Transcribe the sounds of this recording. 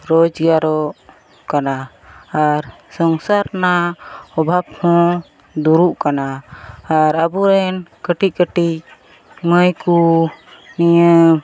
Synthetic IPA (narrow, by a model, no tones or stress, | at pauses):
ɾɔd͡ʒjaɾɔʔ | kanaː | ɾsɔŋsaɾnaɔbʱab̚hɔ̃ | d̪uɾuʔkanaː | ɾabuɾɛnkəʈic̚kəʈic | məjku | niə